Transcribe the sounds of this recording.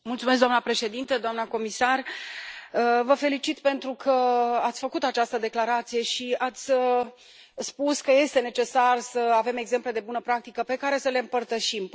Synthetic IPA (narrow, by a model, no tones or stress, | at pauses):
mult̪sumes̬k̚ɡdoamnəpɾe̞ʃe̞d̪int̪əd̪oamnəko̞misar | əvəfe̞lit͡ʃit̪pe̞nt̪ɾukʰəat̪sʲfəkut̪at͡ʃast̪əd̪e̞klaɾat̪sije̞ʃiat̪sʲə | spuskəje̞st̪e̞ne̞t͡ʃe̞sarsəave̞me̞ɡze̞mple̞d̪e̞bunəpɾak̚t̪ikəpe̞kaɾe̞səle̞ɨmpərt̪əʃim